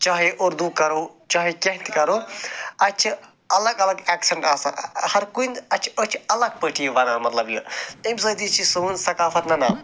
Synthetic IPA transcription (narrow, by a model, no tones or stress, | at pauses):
t͡ʃaɦeʔoɾd̪ukɐɾot͡ʃɐɦekeɦt̪ikɐɾoɐt͡ʃʰi | ɐlɐɡɐlɐɡeːkseɳʈaːsa̰hɐɾkund̪ɐt͡ʃʰot͡ʃʰiɐlɐɡ̚pəʈʰijʋɐnaːmɐt̪lɐblemsɐːd̪it͡ʃʰisunsɐkaːfɐt̪nɐnaː